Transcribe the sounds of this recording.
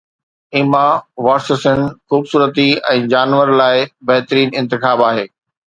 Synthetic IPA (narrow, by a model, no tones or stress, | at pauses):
ɪmaʋaːsəsənxuːbsuːɾət̪iɛ̃ːd͡ʑaːnʋəɾlaːɪbɐɦt̪ɾiːnɪ̃nt̪ɪxaːbaːɦeː